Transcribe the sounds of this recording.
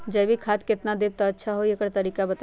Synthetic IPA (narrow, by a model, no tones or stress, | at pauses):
d͡ʒɐbʱikʰaːt̪̚kɪt̪nad̪eb̚t̪aɐtːʃʰaɦoiekəɾt̪ɐɾiːkabɐt̪